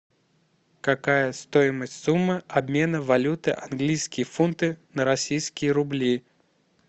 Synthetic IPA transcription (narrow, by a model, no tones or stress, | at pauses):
kɐkajəst̪o̞jɪməsʲtʲsumːəɐbmʲe̞nəvɐlʲut̪ɨʔɐnɡlʲijskʲɪjəfunt̪ɨnəɾɐsʲijskʲɪjəɾʊblʲi